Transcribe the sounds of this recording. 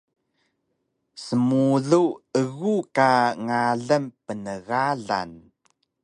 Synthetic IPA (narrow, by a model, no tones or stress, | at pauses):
səmuɮuəɣukaŋaɮəmpənəɣaɮa̰n